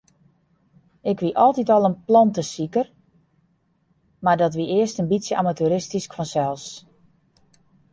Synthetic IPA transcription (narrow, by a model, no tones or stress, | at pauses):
ɪkʋiʔɔlˠtitɔlˠənplɑntəsikər | mardɔtʋiʔɪəstənbisjəʔamatyɾɪstiskfɔnsɛlˠs